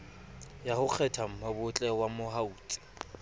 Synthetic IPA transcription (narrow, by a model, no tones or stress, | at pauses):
jahʊk͡xʰɛtʰam̩mabʊt͡ɬʼɛwamʊɦauːtʼi̥